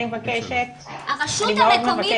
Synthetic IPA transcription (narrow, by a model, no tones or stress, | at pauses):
evakeʃet̪̚ | aaʃimeod̪mevae